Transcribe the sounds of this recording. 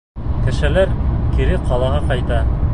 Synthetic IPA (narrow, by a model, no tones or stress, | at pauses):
kɘ̆ʃɘ̆læɾkiɾɘqʰɑlˠɑʁɑqɑjt̪ɑ